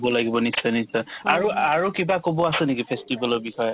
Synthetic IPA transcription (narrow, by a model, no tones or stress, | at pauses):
bɔlaɡibɔnisanisaaɹuaɹukibakobɔasɛnekipʰestibalɔɹbixʰɔjɔ